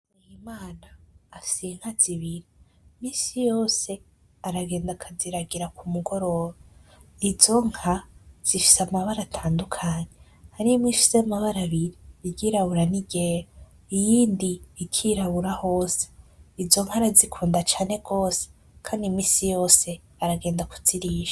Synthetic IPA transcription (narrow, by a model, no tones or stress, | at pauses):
himaːnaːfi̥seŋ̥haz̥iβiɾi | miːsijo̞ːse̞ | aɾaɡe̞ːndakʰaziɾaɡiɾakumuɡo̞ɾo̞ɾoizo̞ŋ̥haz̥ifi̥samaβaɾatʰaːndukʰaɲe̞ | haɾimwifi̥semaβaɾaβiɾiːɡiɾaβuɾaniɡeːɾo | ijiːndiːkʰiɾaβuɾaho̞ːse̥izo̞ŋhaɾazikʰuːndat͡ʃaːne̞ɡo̞ːse̥ | kʰaːndimiːsijo̞ːse̞ | aɾaɡe̞ːndaku̥z̥iɾiːʒḁ